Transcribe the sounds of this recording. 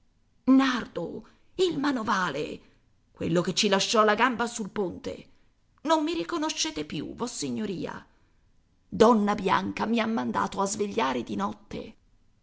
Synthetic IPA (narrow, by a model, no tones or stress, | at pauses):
nard̪o̰ | ilmanovaːlḛ | kwḛlːoket͡ʃːilaʃːɔlaɡambasulpont̪ḛ | nomːiɾikonoʃːɛːt̪epjṵvɔsːiɲːoɾḭːa̰ | d̪ɔnːabja̰ŋkamiamːand̪a̰ːt̪oazveʎːaːɾed̪inɔt̪ːḛ